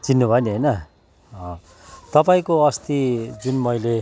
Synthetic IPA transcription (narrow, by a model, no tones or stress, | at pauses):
t͡sinːubʱʌniɦʌjnʌ | ʌ̃ | t̪ʌpaĩkoʌst̪id͡zunmʌjle